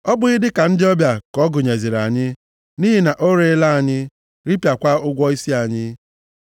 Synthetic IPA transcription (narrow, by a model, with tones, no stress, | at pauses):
ɔ˦bʊ˦ɪ˦dɪ˦ka˨n̩˦dɪ˦ɔ˦bja˨kɔ˨˦ɡʊ˨ɲe˨zi˨ɾa˨ɲɪ˦ | ni˦ɦi˨na˨ʔo˦ɾe˦la˦a˨ɲɪ˦ | ɾi˦pja˨kʷa˦ʊ˦ɡʷɔ˦i˦si˦a˨ɲɪ˦